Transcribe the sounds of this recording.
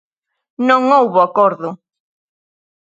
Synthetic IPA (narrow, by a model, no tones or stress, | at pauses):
nõŋowβʊakɔɾðʊ